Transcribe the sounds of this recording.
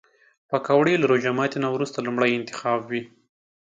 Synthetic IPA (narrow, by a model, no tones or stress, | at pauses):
pəkawɽelaɾod͡ʒamɑt̪inawɾust̪alumɽəjɪnt̪ɪ̥xɑbwi